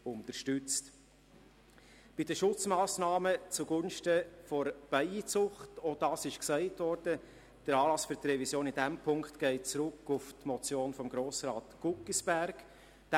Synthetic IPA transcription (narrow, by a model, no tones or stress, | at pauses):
ʊnt̪əʃtʏt͡st | b̥idəʃʊt͡smɑːsnɑːmət͡suɡʊnʃtəfɔɾb̥ɛɪit͡sʊχtod̥ɑːsɪʃksɛɪtvɔɾd̥ə | d̥əɾɑːlɑsfyɾtrɛvisjoːnɪdæmpʰʊŋkχtɡ̥ɛɪt̚t͡sɾʊkːʊftmɔt͡sjoːnfɔmɡɾoːsɾɑːtɡ̥ʊkːisb̥æɾɡ | d̥